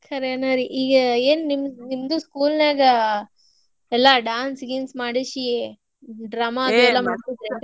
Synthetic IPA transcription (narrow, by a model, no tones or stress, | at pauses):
kʰɐɾeːnaɾiʔiːɡɐeːnnimnimd̪uskuːlneːɡɐ | ɛlːɐɖaːnsɡiːnsmaːɽiʃi | ɖɾaːmaɐd̪uɛlːɐmaːɽt̪id̪ɾe